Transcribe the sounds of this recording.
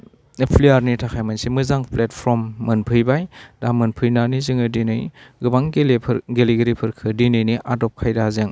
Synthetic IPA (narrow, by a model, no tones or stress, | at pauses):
epʰliaɾnitʰakʰajmansemɯzaŋpʰlet̚pʰɾɔmːɯnpʰɯjbajdamɯnpʰɯjnanizɯŋɯdinɯjɡɯbaŋʰɡeliɡɯɾipʰɯɾkʰɯdinɯjniʔadɔp̚kʰajdazeŋ